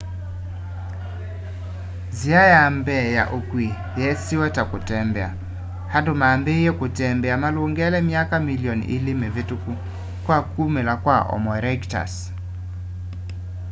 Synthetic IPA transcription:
ziajambɛja̰ʔokwi | jɛsiwɛtakotɛmbɛa̰ | hadomambejɛkotɛmbɛamalwoŋɡɛlɛmjakamiliɔnḭlimevetuku | kwakumelakwaʔɔ̰mɔɾɛɡta̰s

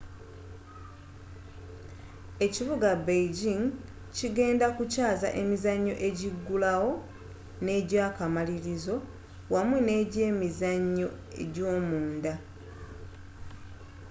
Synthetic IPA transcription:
e̞ciβuɡabejɟiŋ | ciɡe̞ːndakucaːza̰ʔe̞mizaɲːo̞̰ʔe̞ɟiɡːulawo̞ | ne̞ːɟaːkamaliɾizo̞ | wamune̞ɟe̞ːmizaɲːo̞ | e̞̰ɟo̞ːmuːnda

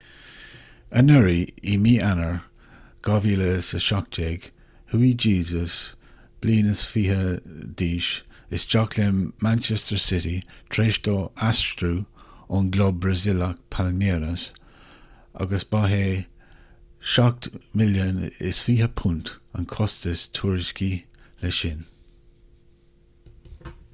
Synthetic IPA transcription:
ənəɹiimiːanəɹ | ɡ̥ɑviːləsəʃak̚t͡ʃeːɡ̥ | huid͡ʒiːzəs | b̥liːnəsfiːɦədiːʃɪsd͡ʒakʰlemant͡ʃɛstəɹsɪtitʰɹeːʃtɔastɹuʊnɡlɔbbɹəzɪlək̚pʰalmeːɾəs | a̰ɡəsb̥aɦeː | ʃak̚tmɪljənɪ̰sfiːɦəpʰuntə̰nkʰɔstəstʰuːɹɪskilɛʃɪn

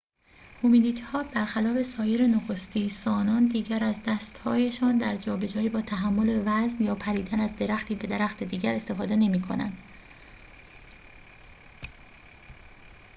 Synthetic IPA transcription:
homid̪iːt̪ʰhɒːb̥æɾxælɒːfe̞sɒːje̞ɾenoxo̞st̪iːsɒːnɒːnd̪iːɟæɾæzd̪æst̪hɒːje̞ʃɒːnd̪æɾd͡ʒɒːbe̞d͡ʒɒːjiːbɒːt̪ʰæɦæmːo̞levæznjɒːpʰæɾiːd̪ænæzd̪e̞ɾæxt̪ʰiːbe̞d̪eɾæxt̪e̞d̪iːɡɟæɾe̞st̪e̞fɒːd̪e̞ne̞miːkʰo̞̰næ̰nd̪̥

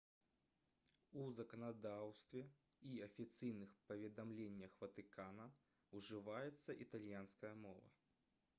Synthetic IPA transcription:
uzɐkɐnad̪awst̪vʲɛ | iɐfʲit̪sɨjnɨxpɐvʲɛd̪amlʲenʲːɐxvɐt̪ɨkanɐ | uʐɨvajɛt̪sːɐʔit̪alʲjanskɐjɐmɔvɐ̰

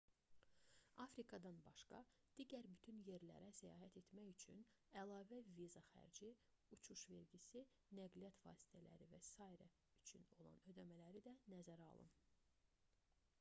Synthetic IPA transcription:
ɑfɾikʰɑd̪ɑnbɑʃkɑd̪̥iːɟæɾbyt̪ʰynje̞ɾlæ̰ɾæsæjɑ̰ːɦæt̪ʰe̞t̪mæjyt͡ʃʰy̰n | ælˠɑːvævizɑxæ̰ɾd͡ʒi | ut͡ʃʰuʃve̞ɾɟisi | næɡlijɑt̪vɑ̰ːsi̥t̪ʰælæ̰ɾivæsɑːiɾæ | yt͡ʃʰyno̞lˠɑ̰nø̞d̪æmælæɾid̪ænæzæɾɑ̰lˠɯ̰n

